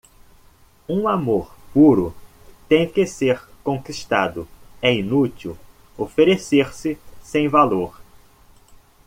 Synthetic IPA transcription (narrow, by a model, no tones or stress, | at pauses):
ũamoɾpuɾʊ | t̪ẽj̃kɪseɾkõkiʃt̪ad̪ʊɛinut̪iw | ofeɾeseɾsɪsẽj̃valoɾ